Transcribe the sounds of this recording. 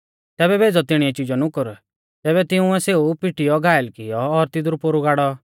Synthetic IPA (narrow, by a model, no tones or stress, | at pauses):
t̪ɛːbɛbʱeːd͡zɔt̪ɪɽ̃iɛt͡ʃɪd͡ʒɔnʊkʊɾ | t̪ɛːbɛt̪ɪũɛseːupiʈɪjɔɡʱaːɛlkɪjɔːɾt̪ɪd̪ɾupoɾuɡaːɽɔ